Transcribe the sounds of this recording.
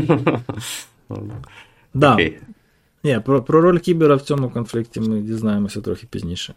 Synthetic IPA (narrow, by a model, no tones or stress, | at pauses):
d̪a | nʲepɾopɾoɾolʲkʲibʲɪɾɐftʲomʊkɐnflʲiktʲɪmɨdʲɪznajɪmɨsʲot̪ɾʲoxʲɪ̥pʲɪ̰zʲnʲiʂɨ